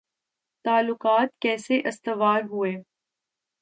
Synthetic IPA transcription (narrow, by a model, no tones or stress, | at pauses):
t̪aːlːʊqaːt̪kɛːseʔɐst̪əʋaːlɦʊeː